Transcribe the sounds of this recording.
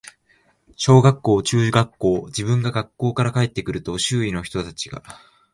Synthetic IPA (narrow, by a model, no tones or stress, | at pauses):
ɕo̞ːɡakːo̞ːt͡ɕɨːʑiɡakːo̞ːd͡ʑibɯ̟̃ŋɡaɡakːo̞ːkaɾakae̞t̪ːe̞kɯ̟ɾɯ̟t̪o̞ɕɨːino̞çi̥t̪o̞t̪at͡ɕiɡ̥a̰